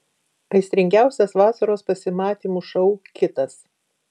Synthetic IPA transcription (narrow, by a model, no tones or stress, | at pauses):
ɐɪsʲt̪ʲɾʲɪŋʲɡʲæˑʊsʲɛsʋɑːsɐɾoːspɐsʲɪmɑːt̪ʲiːmuːʃɐʊkʲɪt̪ɐs